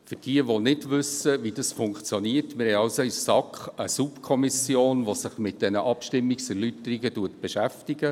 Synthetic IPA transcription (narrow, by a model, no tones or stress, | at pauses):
fʏd̥iəʋonɪdʋʏsəʋidɑsfʊŋkt͡sjoniːəɾtmɪɾhɛjɑʊsoissɑkχəsupkʰɔmɪsjoːnʋosɪχmɪt̚d̥ɛnəʔɑpʃtɪmːiksɛɾlytəɾiɡətuətb̥ɛʃæftiɡə